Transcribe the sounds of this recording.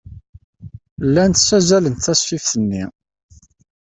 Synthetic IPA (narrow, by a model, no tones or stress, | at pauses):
lːænt̪sæzælənt̪ːæsːifθənːi